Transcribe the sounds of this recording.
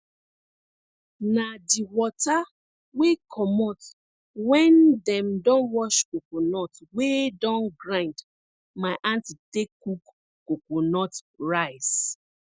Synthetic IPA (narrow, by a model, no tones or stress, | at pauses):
nadiwɔta | wekʰɔmɔt | wɛ̃ndɛ̃mdɔ̃nwɔʃkokonɔtwedɔ̃nɡɹãnd | maɪʔãntitekːuk | kokonɔt | ɹaɪs